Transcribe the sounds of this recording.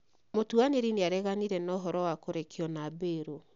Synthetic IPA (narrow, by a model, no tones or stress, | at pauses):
motuaneɾineaɾɛɣaniɾɛnɔɦɔɾɔwakoɾekiɔnaːbeːɾo